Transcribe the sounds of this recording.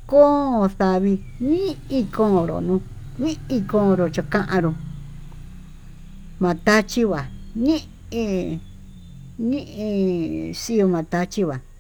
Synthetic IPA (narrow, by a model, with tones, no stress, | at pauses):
kõ˦o˧θa˧βi˧ | nĩ˦i˧kõ˧˨ɾo̰˨nũ˧ | nĩ˦i˧kõ˧ɾo˨t͡ʃo˧kã˦ʔã˧ɾũ˧ | mã˨˧t̪a˦t͡ʃi˦βa˨nĩ˦ | ĩ˧ | nĩ˦ʔĩ˧si˦o˧mã˨t̪a˧t͡ʃi˦βa˨